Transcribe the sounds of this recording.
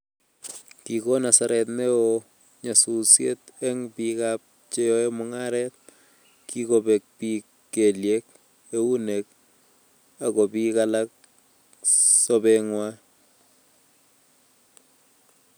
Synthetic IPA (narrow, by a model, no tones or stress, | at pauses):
kikonasaɾɛt̪̬neo | ɲasusjḛt̪ɛŋpikap̚ | t͡ʃeoemʊŋaɾɛt̪̚ | kikobek̚pi | keljek̚ | eunek̚ | akɔpikalak̚ | sobɛŋwa